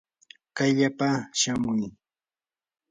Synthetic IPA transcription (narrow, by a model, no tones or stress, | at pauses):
kajʎapaʃamʊj